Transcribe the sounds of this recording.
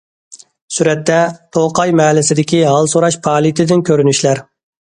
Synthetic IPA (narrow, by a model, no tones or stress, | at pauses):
syɾɛt̪ʰːɛt̪ʰoqɑjmɛːlɪsɪd̪ɪkʲiɦɑlˠsoɾɑʃpʰɑːlˠit̪ʰɪd̪ɪnkʲʰøɾynyʃlæɾ